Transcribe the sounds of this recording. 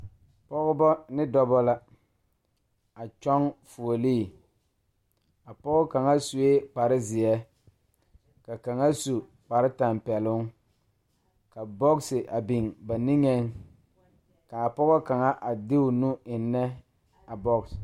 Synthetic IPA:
pɔ˦ɣɔ˦bɔ˦nɪ˦dɔ˦bɔ˦la˦ | a˨t͡ʃɔ˦ŋfu˨o˨liː˦˨ | a˨pɔ˦ɣɔ˦ka˨ŋa˦su˨e˦k͡pa˨ɾɪ˦zɪ˨ɛ˦ | ka˨ka˨ŋa˦su˨ | k͡pa˨ɾɪ˦ta˨mpɛ˨lʊ˦ŋ | ka˨bɔ˦ksɪ˨ʔa˨bi˨ŋba˨ni˦ŋɛ˦ŋ | ka˨a˨pɔ˦ɣɔ˦ka˨ŋa˦ʔa˨dɪ˦ʊ˨nu˦ɪ˨nːɛ˦ | a˨bɔ˦ks

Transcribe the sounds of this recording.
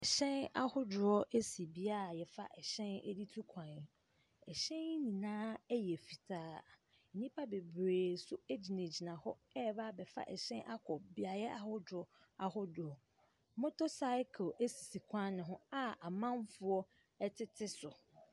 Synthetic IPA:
ɛ˨ɕɛ̃˦na̰˦hʊ˦dʊ˨ɾɔ˦ʔe˦si˨bi˦a˦˨jɛ˨fa̰˦ʔɛ˨ɕɛ̃˦nɛ̰˦di˦tʰu˦kʰã˨n˨ | ɛ˨ɕɛ̃˦n˦nĩ˨nãː˦jɛ˨fi˨tʰaː˦˨ | nĩ˦pʰa˦be˨bɾeː˨sʊ˦e˦d͡ʑi˨nẽ˨d͡ʑi˨nã˨hɔ˦ɛ˦˨ba˦˨bɛ˨fa̰˦ʔɛ̰˨ɕɛ̃˦nʔa˦kʰɔ˨bi˦a˨jɛ˦ʔa˨hʊ˦dɾɔ˦ | a˨hʊ˦dʊ˨ɔ˨˦ | mʊ̃˦tʰʊ˦sa˦ɪ˦kʰe˦si˨si˨kʷʰã˦nɪ̃˨ɦʊ̃˦a˦a˨mã˦nfʊ˦ɔ˦ | ɛ˦tʰɪ˦tʰɪ˦sʊ˨

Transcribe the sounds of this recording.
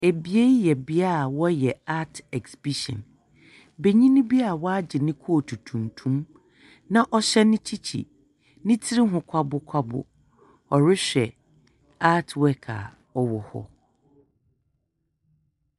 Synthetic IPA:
e˨bi˦e˦jɛ˨bɪ˦a˦a˨wɔ˦jɛ˨a˦tʰɛ˨ksbi˦ʃɔ̰̃˨n | be˨ɲĩ˦nĩ˦bi˦a˨wɔ˦a˦d͡ʑɪ˨nɪ̃˦kʰu˦o˨tʰu˨tʰũ˨ntʰũ˦m | nã˦ʔɔ˦ɕɛ˦nɪ̃˦t͡ɕʰi˦t͡ɕʰḭ˨ | nɪ̃˦tʰɪ˦ɾɪ˦ɦʊ̃˨kʷʰa˦bʊ˦kʷʰa˦bʊ̰˨ | ɔ˨ɾɪ˦ɕᶣɛ˨ | a˦tʰwɛ˦kʰa̰˨ | ɔ˨wɔ˨hɔ̰˦

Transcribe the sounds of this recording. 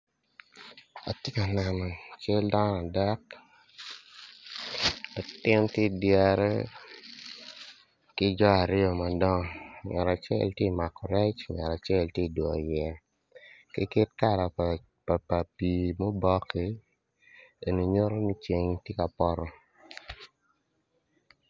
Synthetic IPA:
a̰˨tje˦ka˨nɛ˨nɔ˨t͡ʃe˦lda˦n˦a˨da˦k | a˨tɪ˦ntje˦˨dja˦ɾɛ̰˦ | kɪ˦d͡ʒɔ˦a˨ɾɪ˦ɔ˨ma˨dɔ˦ŋmɛ˨ɾa˨t͡ʃɛ̰˦ltje˦˨ma˨kɔ˨ɾɛ˦t͡ʃmɛ˨ɾa˨t͡ʃɛ˦ltje˦˨dwɔ˨jɛ˨ | kɪ˦kɪ˦t̚ka˦ɾa˨ | pa˨pa˨pi˨mɔ˦bɔ˦kːi˦ | e˨ni˨ɲo˦ɾo˦mi˦t͡ʃe˨ŋtje˦ka˨pɔ˦ɾɔ˦

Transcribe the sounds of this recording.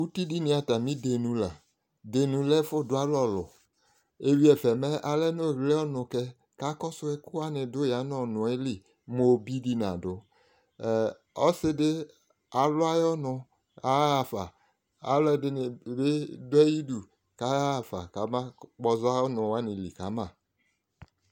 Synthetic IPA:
u˦ti˦di˦ni˨a˨ta˨mĩ˦de˨nu˨la˨ | de˨nũ˨lɛ˦fʊ˦˨dʊ˦a˦lɔ˦˨lʊ̰˨ | e˨vi˦ɛ˨fɛ˨mɛ˦ʔa˦lɛ˦no˦˨ɣlɛ˦ɔ˦nʊ˨kɛ˦ | ka˦kɔ˦sʊ˦ɛ˦kʊ˦a˦nɪ˨dʊ˦ja˨˦n˦ɔ˨nʊ˨ɛ˦li˨ | mo˨bi˦di˦na̰˨dʊ˨˦˨ | ɔ˦sɪ˦dɪ˦ | a˨lʊ˦a˦jɔ˦nʊ˨ | a˦a˨fa˨ | a̰˨˦ldɪ˨nɪ˨be˦dʊ˦ɛ˦ji˦du˨ | ka˨˦a˨fa̰˨ka˨˦ma˦k͡pɔ˨za˦ɔ˦nʊ̃˨wa˦nɪ˨li˨ka˨˦mã˨

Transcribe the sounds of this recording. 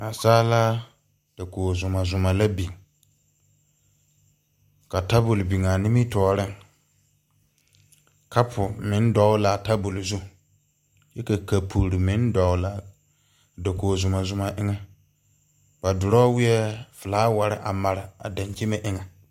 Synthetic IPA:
na˨saː˦la˦ | d̥a˨koː˨zʊ˨ma˨zʊ˨ma˨la˦bi˨ŋ | ka˨ta˦bʊ˨lbi˨ŋa˨ni˦mi˦tɔː˨ɾɪ˦˨ŋ | kʰa˦pʰʊ˨mɪ̃˨˦n˦dɔ˨˦wla˨ta˦bʊ˨lzu˦ | jɛ˦ka˨ka˨pʰu˨ɾi˨mɪ̃˨˦ndɔ˨˦la˨ | da˨koː˨zʊ˨ma˨zʊ˨ma˨ʔɪ˦ŋɛ˦ | ba˨dʊ˨ɾɔː˦wɪ˦jɛ˦fɪ˨laː˦wa˨ɾɪ˨ʔa˨ma˨ɾa˨a̰˨da˨ɲ˨t͡ʃe˦mɛ˨ʔɪ˦ŋa˨

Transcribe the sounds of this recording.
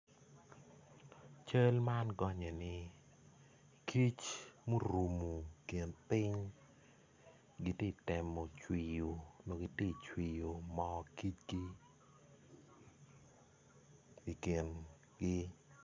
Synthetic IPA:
t͡ʃə˦lma˦nɡɔ˦ɲɛ˨nɪ˦ | kʰi˦t͡ʃmo˦ɾu˨mu˨kɪ˨npɪ˦ɲ | ɡi˦te˦˨tɪ˨mɔ˨t͡ʃwi˨jo˨no˨ɡi˦ti˦˨t͡ʃwi˨jo˨mɔ˦ki˦t͡ʃɡi˦ | i˨kɪ˨n | ɡɪ˦

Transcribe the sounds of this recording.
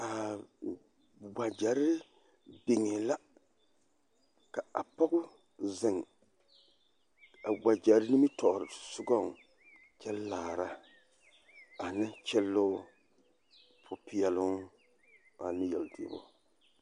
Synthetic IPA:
a˨ | ɡ͡ba˨d͡ʒa˨ɾɪ˦ɪ˦ | bɪ˨ŋɛ˨la˦ | ka˨a˨pa˦ɡʊ˦ | zɪ˨ŋ | a˨ɡ͡ba˨d͡ʒa˨ɾɪ˦ni˦mɪ˦tɔ˨ʔɾɪ˨sʊ˦ɡɔ˦˨ŋ | t͡ʃɛ˦llaː˨ɾa˦ | a˨nɪ˦t͡ʃɛ˦lːʊ˦ | pʰʊ˨pɪ˨ɛ˨lʊ˦ŋ | a˨nɪ˦jɛ˨ldi˨bʊ̰˦

